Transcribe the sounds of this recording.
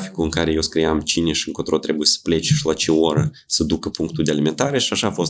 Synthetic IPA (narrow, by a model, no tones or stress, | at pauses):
fi̥kuɨŋkaɾe̞jewskɾijamt͡ʃine̞ʃiɨŋkot̪ɾot̪ɾe̞bujesə̥ple̞t͡ʃʃilat͡ʃeoɾə | səd̪ukəpuŋk̚t̪uld̪ealime̞nt̪aɾe̞ʃiaʃaːfo̞st̪